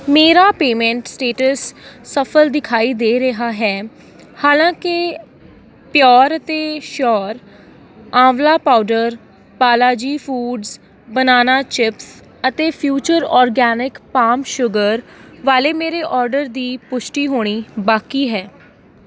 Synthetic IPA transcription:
meːɾaːpeːmɛ̃ːɳʈsʈeːʈəsːəpʰəld̪ɪkʰaːiːd̪eːɾɪɦaːɦɛː | haːlãːkɪ | pjɔːɾət̪eːʃɔːɾ | ãːʋlaːpaːʊɖəɾ | paːlaːd͡ʒiːpʰuːɖz | bənaːnaːt͡ʃɪps | ət̪eːpʰjuːt͡ʃəɾɔːɾɡɛːnɪkpaːmʃʊɡəɾʋaːleːmeːɾeːʔɔːɾɖəɾd̪iːpʊʃʈiːɦoːɽ̃iːbaːkiːɦɛː

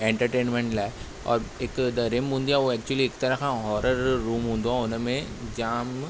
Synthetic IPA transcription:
ẽɳʈəɾʈeːnmẽɳʈlaː | ɔ̰ːɾeːkd̪ɐɾemʊ̃nd̪ijaʋoɛk̚t͡ʃuəlieːkt̪ɐɾəkãɦɔːɾəɾːuːmɦʊ̃ːnd̪oãʊnmẽ | d͡ʒaːm

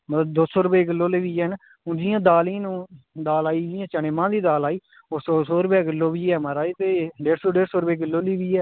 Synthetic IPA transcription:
mət̪b̚d̪oːsɔːɾʊpeːkɪlːoːlɪʋiːɛːn | ʊ̃nd͡ʒɪjãːd̪aːlĩːnũː | d̪aːlaːiːd͡ʒɪjãːt͡ʃəɳeːmãːd̪iːd̪aːlaːiː | oːsoːsoːɾʊbɛːkɪlːoːbiːɛːmaɾaːiːt̪eːɖeːɾsoːɖeːɾsoːɾbeːkɪlːoːliːʋiːɛː

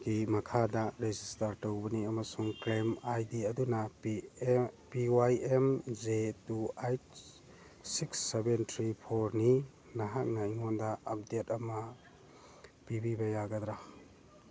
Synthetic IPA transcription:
ɡimɐkʰadɐɾezistaɾtɐwbɐniɐmɐsuŋkɾemajdiɐdunɐ | piwajemzetuajt | siksːebentʰɾipʰoɾni | nɐɦak̚nɐiŋondɐɐp̚detɐmɐ | pibibɐjaɡɐd̪ɾa

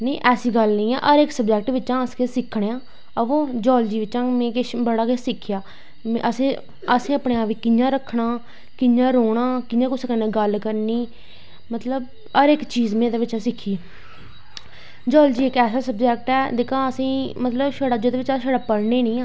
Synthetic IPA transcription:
nəːʔɛːsiːɡəlnĩːɛ̰ːʔəɾɪksəbd͡ʒɛːk̚ʈʋɪʃãːəskeːsɪkʰɽeːãː | əʋõːd͡ʒɔːld͡ʒiːʋɪt͡ʃãːmẽːkeʃbəɽaːkesɪkʰːjaː | m̰̃ʔəsĩː | əsĩːəpɳeːaːpiːkɪnjãːɾəkʰːɽaː | kɪnjãːɾoːɽãːkɪnjãːkʊsəkənːẽːɡəlkəɾniː | mət̪ləb | əɾɪkt͡ʃiːzmẽːd̪eːʋɪt͡ʃːãːsɪkʰːiː | d͡ʒɔːld͡ʒiːɪkɛːsaːsəbd͡ʒɛːk̚ʈɛːd̪eːkʰãːəsĩːmət̪ləbʃəɽaːd͡ʒoːd̪eːʋɪt͡ʃaːʃəɽaːpəɽneːnĩːãː

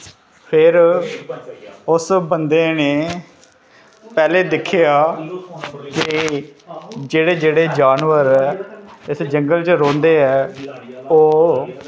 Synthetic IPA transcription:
pʰɪɾ | ʊsbənd̪eːneː | pɛːleːd̪ɪkʰːejaː | kɪ | d͡ʒeːɽeːd͡ʒeːɽeːd͡ʒaːnʋəɾɛːɪsd͡ʒəŋɡəlt͡ʃəɾõːnd̪eːɛː | oː

